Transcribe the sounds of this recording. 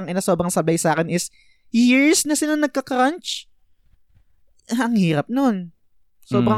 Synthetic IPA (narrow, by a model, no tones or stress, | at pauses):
ɐŋʔɪnaso̞ːbɾɐŋsɐbajsaːkɛnɪs | jɪɹsnɐsɪnanɐɡ̚kɐkɾɐnt͡ʃ | ɐŋhiːɾɐp̚no̞n | sobɾɐ